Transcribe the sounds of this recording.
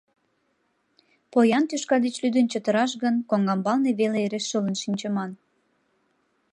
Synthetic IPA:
pojɑnt̪yʃkɑd̪et͡ɕlyd̪ənt͡ɕət̪ə̆ɾɑʃɣənkoŋɡɑmbɑlneβeleeɾeʃːələnʃinʲt͡ɕəmɑn

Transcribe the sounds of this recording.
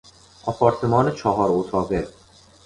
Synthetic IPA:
ʔɒpʰɒːɾt̪ʰemɒːnet͡ʃʰɒɦɒːɾot̪ʰɒːɣe

